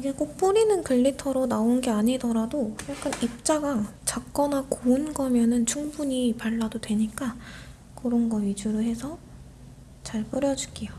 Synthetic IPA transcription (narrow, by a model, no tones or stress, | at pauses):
iɡek͈ok̚p͈uɾinɯnkɯɭːitʰʌɾonaonɡeaɲidʌɾadojak͈ʰanip̚t͡ɕ͈aɡa | t͡ɕak̚k͈ʌnakoɯnɡʌmjʌnɯnt͡ɕʰuŋbuɲipaɭːadodwe̞ɲik͈a | kɯɾʌnɡʌɥid͡ʑuɾɯɭɦe̞sʰʌ | t͡ɕaɭp͈ɯɾjʌd͡ʑuɡijo